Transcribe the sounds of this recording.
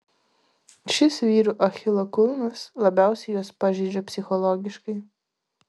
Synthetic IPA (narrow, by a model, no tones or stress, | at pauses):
ʃʲɪsʋʲiːɾuːʔɐxʲɪlˠɐkʊlˠmɐslˠɐbʲæˑʊsʲɛɪjoːspɑːʒʲɛɪd͡ʒʲopʲsʲɪxɔlˠɔɡʲɪʃkɐɪ